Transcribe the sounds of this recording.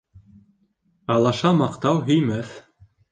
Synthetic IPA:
ɑlˠɑʃɑmɑqt̪ɑwɦɵ̆jmæθ

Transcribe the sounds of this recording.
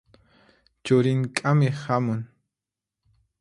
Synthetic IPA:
t͡ʃʊɾɪŋkʼamɪhamʊŋ

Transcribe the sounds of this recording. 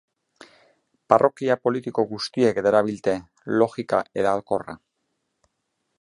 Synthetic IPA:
parʔo̞kiapo̞lit̪iko̞ɣust̪ie̞kd̪eɾaβilt̪e̞ | lo̞xikaʔe̞ðaːlko̞ra̰

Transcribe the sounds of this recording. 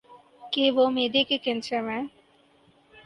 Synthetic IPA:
keʋomeːd̪ekekẽnsemẽ

